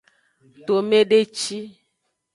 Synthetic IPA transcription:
t̪o˨me˦ɖe˦t͡ʃi˦

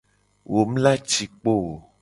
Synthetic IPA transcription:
wʔo˨˦m̩˦la˦t͡ʃi˨k͡po˦˨o˨

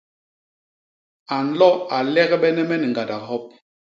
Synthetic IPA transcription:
a˨n̩˦lɔ˦a˨lɛ˦ɣɛ˦ɓɛ˦nɛ˦mɛ˦ni˨ŋɡa˨da˨ɦɔ˦p̚

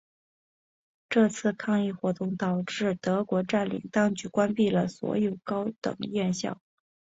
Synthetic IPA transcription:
ʈ͡ʂɤ˥˧t͡sʰɹ̩˥˧kʰɑ˥˧ŋi˥˩xwɔ˧˥t̪ʊ˥˩ŋt̪ɑ˨˩ʊʈ͡ʂɻ̩˥˩t̪ɤ˧˥kwɔ˧˥ʈ͡ʂa˥˩nlḭ˨˩ŋt̪ɑ˥ŋt͡ɕy˧˥kwa˥npi˥˩lə˩swɔ̰˧˥jo˨˩ʊkɑ˥ʊt̪ɤ̰˨˩ŋjɛ˥˧nɕjɑ̰˥˩ʊ

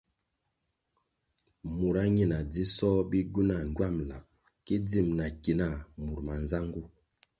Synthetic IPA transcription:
mu˨ɾa˦ɲi˦˨na˨d͡zi˦sɔ˦bi˦ɡu˦na˨ŋ˨ɡwa˦˨mla˨ | ki˦d͡zi˦˨mna˨ki˨na˦˨mu˨ɾma˨nza˦ŋɡu˦

